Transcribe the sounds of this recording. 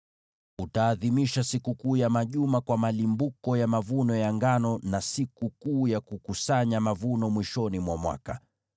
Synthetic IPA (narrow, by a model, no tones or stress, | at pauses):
utaːðimiʃasikukuːjamaʄumakwamalimbukɔjamavunɔjaŋɡanɔnasikukuːjakukusaɲamavunɔmwiʃɔnimwamwa̰ka